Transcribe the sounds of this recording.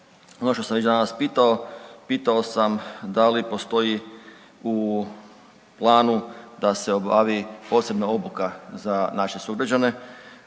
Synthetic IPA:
onoʃt̪o̞samʋet͡ɕd̪anaspiːt̪ao̞piːt̪ao̞samd̪alipo̞st̪o̞i | u | plˠaːnud̪ase̞o̞ba̰ːʋipo̞ːse̞bnaobukazanaʃe̞suɡɾad͡ʑane̞

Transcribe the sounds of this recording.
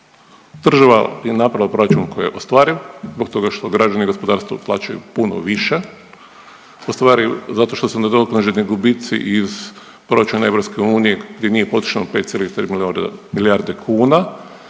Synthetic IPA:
d̪̥r̩ʒaʋa̰bjenapɾaʋlapɾo̞ɾat͡ʃunko̞jijḛʔost̪ʋaːɾizbok̚t̪o̞ɡaʃt̪o̞ɡɾad͡ʒaniɡo̞spod̪aːɾst̪ʋo̰plˠa̰ːt͡ʃajṵpuno̰ʋiʃe | ost̪ʋaːɾizat̪o̞ʃt̪o̞suned̪oklaʒeniɡubit̪sḭʔiz | pɾo̞ɾat͡ʃunae̞ʋɾopskeuːnijeɡd̪jenije̞po̞t̪ɾi̥ʃanope̞t̪sjeliit̪ɾimilmiljaɾd̪ekʰuːna

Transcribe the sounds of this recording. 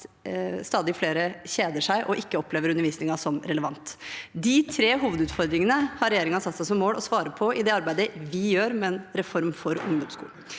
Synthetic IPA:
st̪ɑːd̪ɪfleːɾəɕeːd̪əʂæɪʔɔʔɪkːəɔpːleːʋəɾʉnːəɾʋiːsnɪŋɑsɔmɾɛləʋɑnt̪d̪ɪt̪ʰɾeːɦuːʋəd̪ʉːt̪fɔɾd̪ɾɪŋənəhɑɾɛjeːɾɪŋɑsɑt̪sæɪsɔmːoːlɔsʋɑːɾəpʰɔɪd̪ɛɑɾbæɪd̪əʋɪjøːɾmɛːnɾɛfɔɾmfɔɾʊ̰ŋd̪ɔmskṵːl

